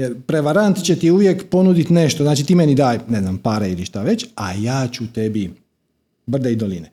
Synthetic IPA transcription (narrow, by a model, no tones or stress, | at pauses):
jeɾpɾeʋaɾant̪t͡ɕe̞t̪iuʋjekpo̞nud̪it̪ne̞ʃt̪oznaːt͡ʃit̪iːmenid̪aːjne̞znampaːɾailiʃt̪aʋe̞t͡ɕa̰jaːt͡ʃut̪e̞bi | br̩d̪eid̪oline